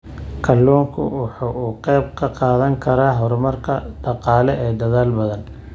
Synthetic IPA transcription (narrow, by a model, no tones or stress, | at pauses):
kʰɐlːuːŋkʰʊ̰wɑħuːuːqɛːb̚kʰɐqɑːðɐŋkʰɐɾaːɦɔrmɐrkʰɐd̪̥ɑqɑːlɛʔɛːd̪ɐðaːlbɐðɐn